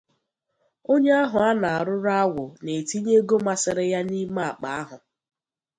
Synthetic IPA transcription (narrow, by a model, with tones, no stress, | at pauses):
o˦ɲe˦a˦ɦʊ˨a˦na˨a˨ɾʊ˦ɾa˦wʊ˨ne˨ti˦ɲe˦ɡo˦ma˨sɪ˨ɾɪ˦ja˦ni˦ma˦a˨k͡pa˨a˦ɦʊ˨